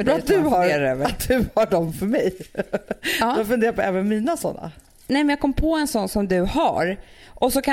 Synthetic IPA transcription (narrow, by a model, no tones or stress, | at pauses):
bɾɔːat̪̚d̪ɵhaɾat̪̚d̪ɵhaɖɔmfœɾmɛj | afɵnd̪eːɾapɔʔɛːvənmiːnasɔ̰nːa̰ | nɛjmɛnjaɡkɔmːpʰɔɛnsɔnːsɔmd̪ɵhaɾʔɔsɔkʰa